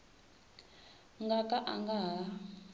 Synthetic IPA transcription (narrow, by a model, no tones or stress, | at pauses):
ŋɡakʼaʔaŋɡaɦa